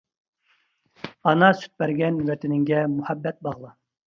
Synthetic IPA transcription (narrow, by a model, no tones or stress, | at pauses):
ɑnɑsy̥t̪̚bæɾɡʲɛnwɛt̪ʰɛnɪŋɡʲɛmuhæbːɛt̪̚bɑʁlˠɑ